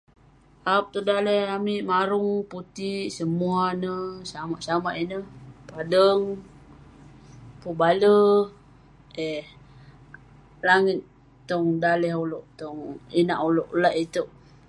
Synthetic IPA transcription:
ʔap̚t̪ɔdalɛhamiʔmaɾuŋput̪iʔsəmuanəsamaʔsamaʔinəhpadəŋ | pubalə | eh | laŋit̪ː | ɔŋdalɛɦolɔʔt̪ɔŋinaʔoloʔlaʔit̪əʔ

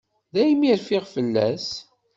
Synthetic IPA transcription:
ðæjmiɾfiʁfəlːæ̰s

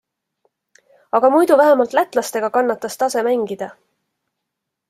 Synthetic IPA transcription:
ɑɡ̥ɑmujd̪uvæɦemɑlt̪læt̪ˑlɑst̪e̞ɡ̥ɑkɑnːɑt̪ːˑɑst̪ɑse̞mæŋɡid̪̥ɑ

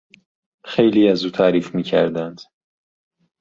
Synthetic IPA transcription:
xejliːæzuːt̪ʰæːɾiːfmiːcʰæɾd̪ænd̪̥

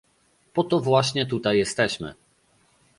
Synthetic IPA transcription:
pɔt̪ɔvwaɕɲɛt̪ut̪ajːɛst̪ɛɕmɘ̰

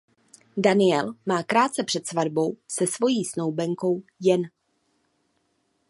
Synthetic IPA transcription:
danɪjɛlmaːkɾaːt̪̚t͡sɛpr̝̥ɛt̪svadbo̞wsɛsvo̞jiːsno̞wbɛŋko̞wjɛn

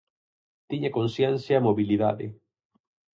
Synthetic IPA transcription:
t̪iɲakonsjɛnθjamoβiliða̰ðɪ̰

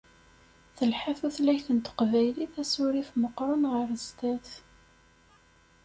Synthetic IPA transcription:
θəlħaθuθlæçθənt̪ə̥qvæjliθæsuɾifməqːɾˤʊnʁəɾəzt̪æθ

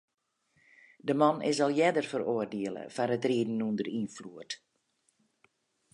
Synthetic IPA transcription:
dəmanɪ̰sɔlˠjɛdərfəroərdeəlˠə̰fanətriədn̩ːundərinfluərt

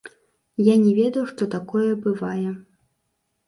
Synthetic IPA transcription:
janʲɛvʲɛd̪ɐjuʂt̪ɔt̪akɔjɛbɨvajɛ

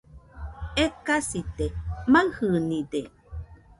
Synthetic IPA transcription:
ekasit̪emahɯnid̪e

